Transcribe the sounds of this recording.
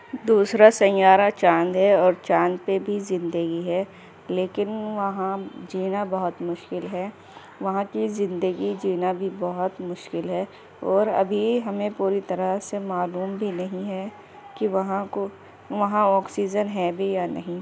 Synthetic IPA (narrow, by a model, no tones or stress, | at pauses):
d̪uːsɾasɐ̃jaːɾat͡ʃãːnd̪ɦɛɔːɾt͡ʃãːnd̪pebʱizɪ̃nd̪əɡiɦɛː | leːkɪnʋɐɦãd͡ʒiːnabɐɦʊt̪mʊʃkɪlɦɛː | ʋɐɦãkizɪ̃nd̪əɡid͡ʒiːnabʱibɐɦʊt̪mʊʃkɪlɦɛː | ɔːɾɐ̰bʱiɦɐmẽpuːɾit̪ɐɾəsemaːluːmbʱinɐɦĩɦɛ | kiʋɐɦãko | ʋɐɦãɔːksiːd͡ʒənɦɛbʱijanɐ̰ɦĩ